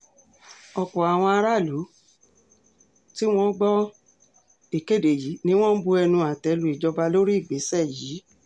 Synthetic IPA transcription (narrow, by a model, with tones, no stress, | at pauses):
ɔ˨k͡pɔ˨a˨w̃ɔ̃˧a˧ɾa˦˨lu˨˦ | ti˦w̃ɔ̃˦ɡ͡bɔ˦ | e˨ke˦˨de˨ji˨˦nĩ˦w̃ɔ̃˦bu˧ɛ˧nũ˧a˨tɛ˨˧lu˧i˨d͡ʒɔ˧ba˧lo˦ɾi˦˨ɡ͡be˨˦sɛ˦˨ji˨˦